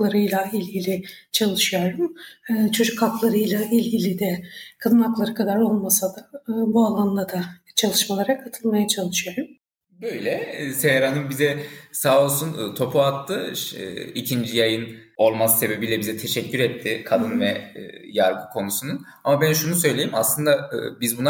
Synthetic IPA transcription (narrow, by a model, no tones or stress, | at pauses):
klˠaɾɯjlˠailʲɟilʲɪt͡ʃʰalˠɯʃɯjoɾumɯːt͡ʃʰo̞d͡ʒukʰːaklˠaɾɯjlˠailʲɟilʲid̪ɛkʰad̪ɯnaklˠaɾɯkʰad̪aɾo̞lˠmasad̪aːbualˠanlˠad̪a | t͡ʃʰalˠɯʃmalˠaɾakʰat̪ʰɯlˠmajat͡ʃʰalˠɯʃɯjoɾum | bøjlʲɛsehɾanɯnbizɛsaːolˠsunːt̪ʰo̞pʰuat̪ːɯʃicʰind͡ʒijajɯn | o̞lˠmasse̞be̞bilʲɛbizɛt̪ʰe̞ʃɛcʰːyɾɛt̪ʰːɪkʰad̪ɯnvɛ̰jaɾɡɯkʰo̞nusunun | amabænʃunusø̞jlʲejimaslˠɯnd̪aɯ̰bizbuna